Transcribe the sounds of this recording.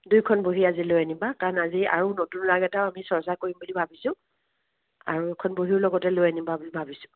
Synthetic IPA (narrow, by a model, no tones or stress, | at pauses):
dujkʰɔnboɦiazilojanibakaɹɔnazia̰ɹunotunɹaɡɛtaʊamisɔɹsaɹkoɹimbulibʱabisʊ̃ | a̰ɹukʰɔnboɦiɹlɔɡɔtɛlojanibabulibʱabisʊ̥